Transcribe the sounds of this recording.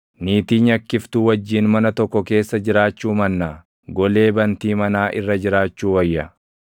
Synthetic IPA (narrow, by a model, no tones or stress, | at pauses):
niːt̪iːɲɐkːɪft̪uːwɐd͡ʒːiːnmɐnɐt̪ɔkːɔke̞ːsːɐd͡ʒɪɾaːt͡ʃːuːmɐnːaː | ɡɔle̞ːbɐnt̪iːmɐnaːʔɪ̰rːɐd͡ʒɪɾaːt͡ʃːuːwɐjːɐ